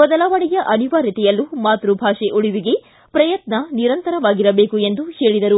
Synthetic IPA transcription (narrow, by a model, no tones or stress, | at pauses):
ɔd̪ɐlaːʋɐɭɛjɐʔɐniʋaːɾit̪ɛjɐlːumaːt̪ɾubʱaːʂeʔuɽiʋiɡe̞ | pɾɐjɐt̪nɐniɾɐnt̪ɐɾɐʋaːɡiɾɐbe̞ːkue̞nd̪uhe̞ːɭid̪ɐɾu